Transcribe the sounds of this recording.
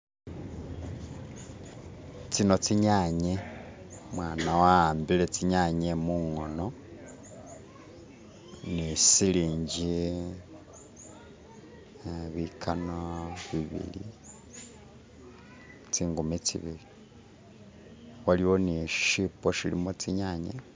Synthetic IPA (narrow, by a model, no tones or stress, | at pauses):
t͡sino̞t͡siɲaːɲe | mwaːnawaːmbilet͡siɲaɲemuŋo̞no̞ | nisiliːɲɟi | βikʰanoβiβḭlḭ | t͡siːŋɡumit͡sḭβḭli | waliwo̞niʃipoʃilḭmot͡siɲaɲe